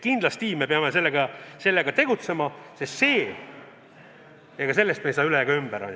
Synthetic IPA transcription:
kind̪lɑst̪ime̞peɑmese̞lːeɡɑse̞lːeɡɑt̪e̞ɡ̥ut̪se̞mɑse̞se̞ː | jɑɡɑse̞lːest̪mejsɑːylejɑɡɑymb̥æɾɑ̰n

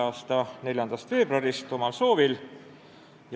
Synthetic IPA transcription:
ɑːst̪ɑne̞lʲjɑnd̪̥ɑst̪fe̞ːb̥ruɑɾist̪ːo̞mɑlso̞ːvil | j

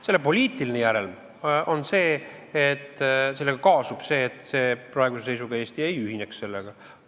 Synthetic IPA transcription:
se̞lːepo̞lʲiːt̪ilinejæɾel | ʔo̞nse̞ːet̪ːse̞lːe̞ɡ̥ɑkɑːsub̥se̞ːt̪ːˑse̞ːpɾɑe̞ɡusese̞jsuɡ̥ɑe̞ːsʲt̪ie̞jyɦineksse̞lːeɡ̥ɑ

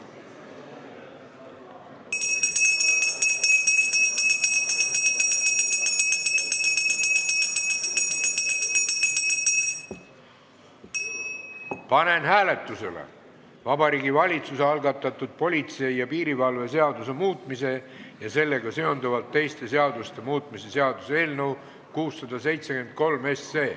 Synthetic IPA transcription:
pɑne̞nɦæːle̞t̪ːˑuse̞lḛ | vɑbɑɾiːɡivɑlʲit̪suseɑlɡɑt̪ːˑɑt̪ːˑud̪̥̚po̞lʲit̪se̞ijɑpiːɾivɑlve̞se̞ɑd̪use̞muːt̪ˑmise̞jɑse̞lːe̞ɡɑse̞o̞nd̪uvɑlt̪ːe̞jst̪e̞se̞ɑd̪ust̪e̞muːt̪ˑmise̞se̞ɑd̪̥use̞ːlnəw | kuːsːɑd̪̥ɑse̞jt̪sekend̪̥̚ko̞lme̞sːe̞ː

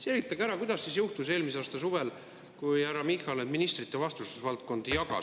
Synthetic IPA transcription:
selvit̪ˑːɑɡæɾɑkujd̪̥ɑsːisjuht̪use̞ːlmisɑːst̪ɑsuve̞l | kujhæɾɑmixɑle̥minist̪rit̪ːe̞vɑst̪ususvɑlt̪̚ko̞nd̪̥ijɑɡ̥ɑ̰

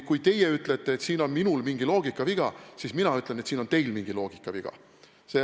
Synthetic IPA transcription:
kujt̪e̞jeyt̪ːˑlet̪ˑːe̞ːt̪siːno̞nminulmiŋɡilo̞ːɡ̥ikːˑɑviɡ̥ɑsisminɑyt̪ˑle̞net̪siːno̞nt̪e̞jlmiŋɡ̥ilo̞ːɡ̥ikːˑɑviɡ̥ɑ̰ | se

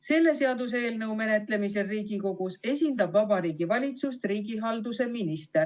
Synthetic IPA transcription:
se̞lːe̞se̞ɑd̪̥us̬e̞ːlnɤwme̞ne̞t̪ˑle̞mise̞riːɡiko̞ɡ̥use̞sʲind̪̥ɑbvɑbɑɾiːɡivɑlʲit̪sust̪riːɡiɦɑld̪use̞minist̪er

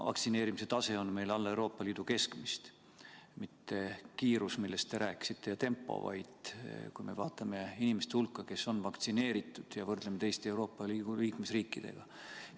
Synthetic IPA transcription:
vɑ̰kt̪sineːɾimis̬e̞t̪ɑse̞o̞nme̞jlɑlːe̞wɾo̞ːpːˑɑliːd̪̥uke̞skmist̪ | mit̪ːe̞kiːɾusmilːe̞st̪ːe̞ɾæːkːi̥sit̪ːe̞jɑt̪e̞mpːˑo̞̰vɑ̰jd̪̥kṵjme̞̰vɑːt̪ːˑɑme̞inime̞st̪ehulkːˑɑke̞so̞nvɑkt̪sine̞ːɾit̪ːˑud̪̥jɑvɤrd̪̥lemet̪e̞jst̪eewɾo̞ːpːˑɑli̥uliːkmesriːkːˑid̪̥e̞̰ɡ̥ɑ

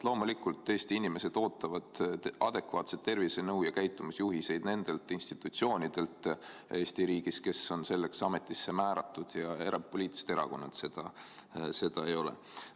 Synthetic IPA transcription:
lo̞ːmulikult̪ːˑe̞ːsʲt̪iinime̞se̞d̪̥o̞ːt̪ːˑɑvɑd̪̥ɑd̪̥e̞kvɑːt̪se̞t̪ːe̞rvisenɤwjɑkæjt̪ːˑumusjuɦise̞jd̪̥ne̞nd̪̥e̞lt̪ːˑinst̪it̪ːˑut̪sio̞ːnʲid̪̥e̞lt̪e̞ːst̪iɾiːɡ̥iske̞so̞nse̞lːe̞ksɑme̞t̪ːˑisːe̞mæːɾɑt̪ːˑud̪̥jɑe̞ɾɑp̚poliːt̪ːˑi̥set̪eɾɑ̰ko̞nːɑt̪se̞d̪̥ɑse̞d̪̥ɑe̞jo̞lḛ

